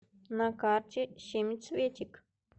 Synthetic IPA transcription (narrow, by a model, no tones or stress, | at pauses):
nakaɾt͡ʃiʃimit͡sʰβit͡ʃik